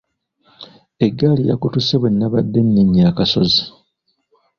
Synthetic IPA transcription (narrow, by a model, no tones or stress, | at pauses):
eɡːalija̰kutuseβwenːaβadːenːiɲːaːkaso̞zi